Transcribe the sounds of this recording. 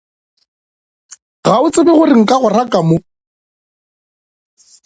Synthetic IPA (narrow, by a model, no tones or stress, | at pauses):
ɣaʊt͡sʼɪbɛɣʊrɪŋ̩kʼaɣʊrakʼamʊ